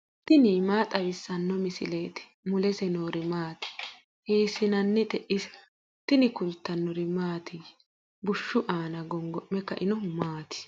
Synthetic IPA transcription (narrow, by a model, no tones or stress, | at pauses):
t̪ɪnimaːt̪ʼɐwɪsːɐnːɔmɪsɪleːt̪ɛ̥ | mʊlɛsɛnoːɾɪmaːt̪ɪ̥ | heːsɪnɐnːɛt̪ɛʔɪs | t̪ɪnɪkʊlt̪ːɐnːɔɾɪmaːt̪ʰɪ | bʊʃːʊʔaːnɐɡɔŋɡɔʔːɛkːɐʔɪnɔmaːt̪ɪ̥